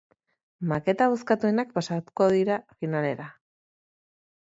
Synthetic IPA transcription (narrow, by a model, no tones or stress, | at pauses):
make̞t̪aβuskat̪ue̞nakpasat̪u̥ko̞ðiɾafinale̞ɾa